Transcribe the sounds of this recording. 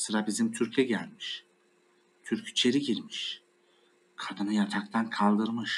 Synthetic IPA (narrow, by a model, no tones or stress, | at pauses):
sɯɾabizimt̪ʰyɾcʰɛɟælʲmiʃ | t̪ʰyɾcit͡ʃʰe̞ɾiɟiɾmiʃ | kʰad̪ɯnɯjat̪ʰak̚t̪ʰankʰalˠd̪ɯɾmɯʃ